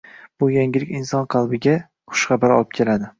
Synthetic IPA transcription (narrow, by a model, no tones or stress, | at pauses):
b̥ʊjaŋʲɪlɪkʲɪnsɒnqʰɑlˠbɪɡʲa | χʊ̥ʃχɑbaɾɒ̰lˠɪp̚kʲʰe̞lad̪ɪ